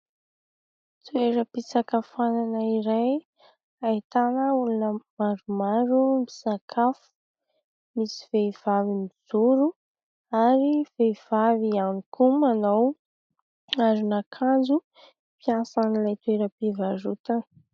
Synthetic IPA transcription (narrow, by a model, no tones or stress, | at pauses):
t̪ueɾəpit͡sakafananəiɾaj | ait̪anəulunəmaɾumaɾumi̥sakʰafu̥ | misi̥veiv̥avimizuɾu | aɾiveiv̥avianikumanaw | aɾinakʰand͡zu | pjasanilajt̪ueɾəpivaɾut̪an